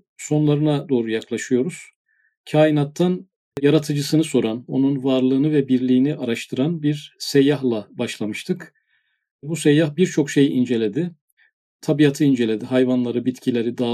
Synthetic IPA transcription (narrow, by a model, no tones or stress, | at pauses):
so̞nlˠaɾɯnad̪o̞ːɾujaklˠaʃɯjo̞ɾuz̥ | cʰaːjinat̪ʰːan | jaɾat̪ʰɯd͡ʒɯsɯnɯso̞ɾano̞nunvaɾlˠɯːnɯvɛbiɾlʲiːniʔaɾaʃt̪ʰɯɾanbiɾsejaɦlˠabaʃlˠamɯʃt̪ʰɯk | busejahbiɾt͡ʃʰo̞kʃe̞jʔind͡ʒe̞lʲe̞d̪ɪ | t̪ʰabijat̪ʰɯind͡ʒe̞lʲe̞d̪iɦajvanlˠaɾɯbit̪cʰilʲe̞ɾid̪aː